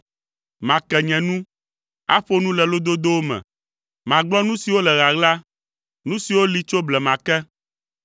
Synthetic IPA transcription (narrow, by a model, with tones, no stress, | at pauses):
mã˨kɛ˨ɲɛ̃˨nũ˦ | a̰˦ɸo˦nũ˦lɛ˨lo˦d̪o˦d̪o˦wo˦mɛ̰̃˨ | mã˨ɡ͡blɔ˦nũ˦si˨wo˦lɛ˨ɣa˨ɣla˦ | nũ˦si˨wo˦li˨t͡ʃo˦blɛ˨mã˨kɛ˦